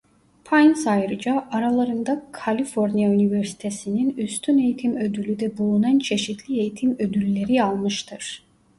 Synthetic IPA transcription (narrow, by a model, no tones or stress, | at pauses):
pʰajnsajɾɯd͡ʒaʔaɾalˠaɾɯnd̪akʰalʲifoɾnijayniveɾsi̥t̪ʰe̞sininyst̪ʰyne̞jit̪ʰimø̞d̪ylʲyd̪ɛbulˠunant͡ʃʰe̞ʃit̪ʰlʲie̞jit̪ʰimø̞d̪ylʲːe̞ɾialˠmɯʃt̪ʰɯɾ̥